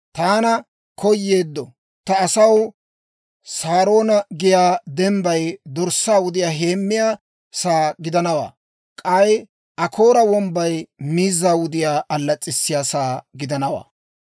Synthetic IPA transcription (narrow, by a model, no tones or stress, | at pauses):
t̪aːnɐ | kʰɔjːeːd̪ːɔ | t̪ɐːsɐw | saːɾo̞ːnɐɡɪjaːd̪ɛmbɐjd̪ɔɾsːaːwʊd̪ɪjaːɦe̞ːmːɪjaː | saːɡɪd̪ɐnɐwa̰ː | kʼɐj | ʔɐkʰo̞ːɾɐwɔmbɐjmiːzːaːwʊd̪ɪjaːʔɐlːɐt͡sʼːɪsːɪjaːsaːɡɪd̪ɐnɐwa̰ː